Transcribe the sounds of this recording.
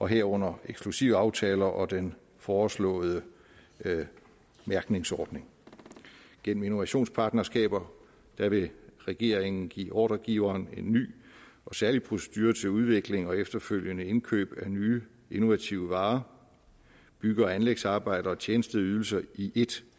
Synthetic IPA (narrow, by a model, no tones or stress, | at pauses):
ɒ̽ɦeɐ̰ɔ̽n̰ɐeɡ̥sɡ̥lusiʊ̰ɑ̈ʊt͡sʰɛːlɐʔɒ̽d̥en | fɒːslɔ̰̽ːð̩ˠə | mæɐɡ̥ne̝ŋsɒːd̥ne̝ŋ | ɡ̥en̰m̩ino̝ʋæɕo̝̰ːnspʰɑ̈ːd̥nɐsɡ̥ɛ̰ːb̥ɐ | d̥æʋe̝ʁɛɡ̥e̝ɐ̰eŋn̩ɡ̥ḭːʔɒ̰ːɾ̥ɐɡ̥iʊɐːne̝nːy̰ːɒ̽sæɐlipʰʁo̝se̥d̥yːɐt͡sʰe̝luð̞ˠʋe̝ɡ̥le̝ŋɒ̽efd̥ɐføl̰jənəe̝nkʰø̰ːb̥ænyː | eno̝ʋæt͡sʰiʊəʋɑ̈ː | b̥yɡ̥əɒænleɡ̥sɑ̈ːb̥ɑ̈ɪ̰d̥ɐɒ̽t͡ɕʰjeːnəsd̥əð̩ˠyðˠl̩sɐiʔe̝d̥